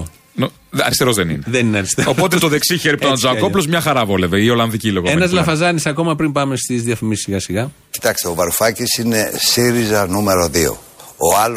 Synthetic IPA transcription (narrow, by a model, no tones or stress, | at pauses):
no | ɐ̰ɾist̪e̞ɾo̞zðenineðenineɐɾist̪eopo̞t̪̬et̪oðe̞ksiçeɾip̪ozɐkoplozmɲɐxɐɾɐvo̞le̞veio̞lɐnðiciloɣoenɐzlɐfɐzɐnisɐko̞mɐpɾimbɐme̞st̪izðiɐfimisiɣɐsiɣɐ | ci̥t̪ɐkst̪eovɐɾufɐcisine̞siɾizɐnume̞ɾoðio̰ | oɐl